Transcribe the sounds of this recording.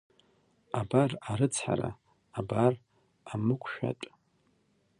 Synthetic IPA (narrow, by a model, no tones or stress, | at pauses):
abaraɾɨt͡sʰħa̰ɾa̰ː | bar | amɨkʷʰʼʃᶣa̰tʼ